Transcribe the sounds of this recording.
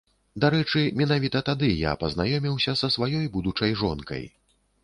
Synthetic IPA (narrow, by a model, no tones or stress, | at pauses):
d̪aɾɛt͡ʂɨmʲin̪avʲit̪ɐt̪ad̪ɨja̰pɐznajɔmʲiwsʲɐsɐsvajɔjbud̪ut͡ʂɐjʐɔnkɐ̰j